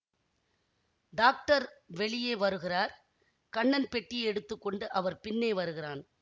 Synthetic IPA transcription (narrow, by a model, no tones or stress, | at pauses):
ɖaːk̚ʈɐɾʋɛɭɪjeːʋɐɾɯɣɪraːɾ | kɐɳːɐnpɛʈːiɛɽɯt̪ːɯkːɔɳɖɯʔɐʋɐɾpɪnːeːʋɐɾɯɣɪraːn